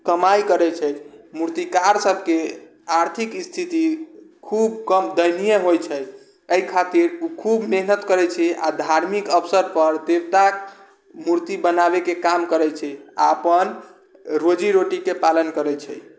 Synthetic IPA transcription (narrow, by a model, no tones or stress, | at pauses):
kəmajkəɾɛt͡ʃʰɛmuɾt̪ikaɾsəbʱke | aɾt̪ʰikist̪ʰit̪ikʰubkəmd̪əjnijəɦojt͡ʃʰɛ | əikʰat̪iɾukʰubneɦnət̪kəɾɛt͡ʃʰɛa̰d̪ʱaɾmikəpsəɾpəɾd̪ebt̪ak | muɾt̪ibənabekekamkəɾɛt͡ʃʰɛa̰pən | ɾod͡ʒiɾoʈikepalənkəɾɛt͡ʃʰɛ̰j